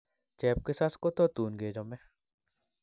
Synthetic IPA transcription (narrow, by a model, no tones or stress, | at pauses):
t͡ʃɛːp̚kesaskot̪ot̪uːnɡed͡ʒomɛ